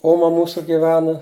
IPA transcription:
ˈoːmɐ ˈmuːsʊ ɡʲɪˈʋʲæːnɐ

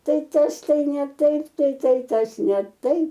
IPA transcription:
ˈtɐɪ ˈtɐs ˈtɐɪ nʲɛ ˈtɐɪp tɐɪ ˈtɐɪ ˈtɐs nʲɛ ˈtɐɪp

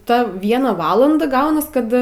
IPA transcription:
ˈtɐ ˈʋʲiɛnɐ ˈʋɑːlˠɐndɐ ˈɡɐʊnɐs ˈkɐt

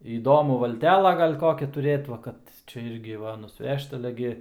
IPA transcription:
iːˈdoːmʊ ʋɐlʲˈtʲæːlˠɐ ˈɡɐlʲ ˈkoːkʲæː tʊˈrʲeːt ʋɐ ˈkɐt ˈt͡ʃʲɛ ˈɪrʲɡʲɪ ˈʋɐ nʊsʲˈʋʲɛʃt ɐˈlʲɛ ɡʲɪ

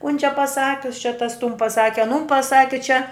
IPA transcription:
kʊn t͡ʃʲɛ pɐˈsɑːkʲʊs t͡ʃʲɛ tɐs tʊn pɐˈsɑːkʲɪ ɐˈnʊn pɐˈsɑːkʲɪ t͡ʃʲɛ

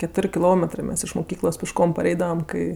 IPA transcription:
kʲɛˈtoːrʲ kʲɪˈlˠoːmʲɛtrɜ ˈmʲɛs ɪʃ mʊˈkʲiːklˠoːs pʲɪʃˈkoːm pɐˈrʲɛɪdɐʋɐm ˈkɐɪ

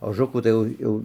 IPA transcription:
oːˈʒʊkuː tɐɪ ˈjɛʊ ˈjɛʊ

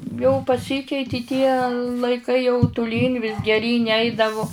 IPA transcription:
jɛʊ pɐˈsʲiːkʲɛɪtʲɪ tʲiɛ lˠɐɪˈkɐɪ jɛʊ tʊˈlʲiːn ʋʲɪs ɡʲɛˈrʲiːnʲ ˈɛɪdɐʋʊ

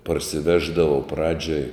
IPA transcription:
pɐrʲsʲɪˈʋʲæːʒdɐʋɐʊ ˈprɑːd͡ʒʲoːj

